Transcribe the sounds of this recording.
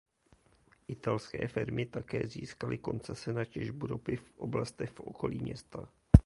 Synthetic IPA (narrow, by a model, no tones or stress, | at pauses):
ʔɪt̪alskɛ̰ːfɪɾmʔɪt̪akɛ̰ːzḭːskalʔɪko̞nt͡sɛsɛnacɛʒbuɾo̞pɪfʔoblast̪ɛxfʔo̰ko̞lḭːmɲɛst̪a